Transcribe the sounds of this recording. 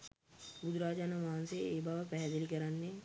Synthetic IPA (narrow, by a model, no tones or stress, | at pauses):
bud̪uɾaːd͡ʒaːnaʋaɦanseeːbaʋəpæɦɛd̪elikəɾanːe